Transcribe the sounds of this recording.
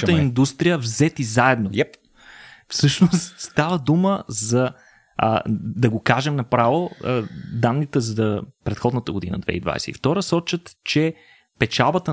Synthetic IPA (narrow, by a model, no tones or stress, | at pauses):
t̪əind̪ust̪ɾijəvzɛt̪izaɛd̪no | fsɤʃnost̪st̪avəd̪uməzɐ | d̪ɐɡokaʒɛmnɐpɾavo | d̪anːit̪ɛzɐəpɾɛt̪xɔd̪nət̪əɡod̪inə̰d̪vɛ̰ḭd̪va̰jsɛḭft̪ɔɾəsɔt͡ʃət̪t͡ʃɛ | pɛt͡ʃalˠbət̪ə